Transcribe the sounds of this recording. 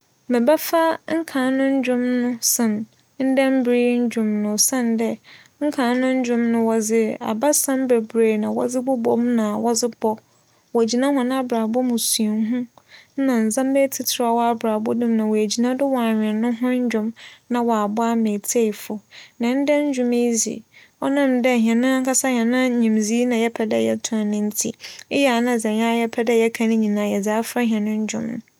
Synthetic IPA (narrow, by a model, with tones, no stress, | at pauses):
mɪ̃˨ba˦fa˦ŋ̩˦kʰã˨˦nʊ̃˦ɲ̩˦d͡ʑᶣʊ̃˦mnʊ̃˦sɪ̃˨n | n̩˦dɛ̃˦m˦bɾi˦ɲ̩˦d͡ʑᶣʊ̃˨mnʊ̃˨sã˦˨ndɛ˦ | ŋ̩˦kʰã˨˦nʊ̃˦ɲ̩˦d͡ʑᶣʊ̃˦mnʊ̃˦wɔ˨d͡zɪ˦a̰˨ba˦sã˦mbɛ˨bɾe˨nã˨wɔ̰˦d͡zɪ˦bʊ˦bɔ˦m˦nã˨wɔ˦d͡zɪ˦b̥ɔ˦ | wɔ˨æ˨d͡ʑi˨nã˦ɦʊ̃˨nã˦a˨bɾaː˨bɔ˦mʊ̃˨su˨e˨ŋ˦ɦũ˦n̩˦nã˨n̩˨zã˦m˦bɛ˦tʰi˨tʰɪ˨ɾa˨wɔ˦a˨bɾaː˨bʊ˦dɪ̃˦mnã˨wɔ˨æ˨d͡ʑi˨nã˦dʊ˦wɔ˨a˨ɲᶣɪ̃˨nʊ̃˦ɦʊ̃˦ɲ̩˦d͡ʑᶣʊ̃˦mnã˦wɔ˨a˨bʊ˦a˦mẽ˨tʰe˦i˨fʊ˨nã˨˦n̩˦dɛ˦ɲ̩˦d͡ʑᶣʊ̃˦me˦zḭ˨ | ɔ˦nã˦˨mdɛ˦˨hɛ̃˨nʊ̃˦kʰa˦sa˦hɛ̃˨nʊ̃˦ɲĩ˨mzi˦nã˨jɛ˦pʰɛ˨dɛ˦jɛ̰˦tʰʊ̃˦˨nɪ̃˦n̩˦tʰḭ˦ɪ˦jɛ˦˨a˨nã˦˨d͡zɛ̃˨ɲã˦jɛ˦pʰɛ˦dɛ˦jɛ˦kʰã˦nɪ̃˦ɲĩ˨nãː˨jɛ˨d͡zaː˨˦fɾa˦ɦɛ̃˨nʊ̃˦ɲ˦d͡ʑᶣʊ̰̃˦m̰˨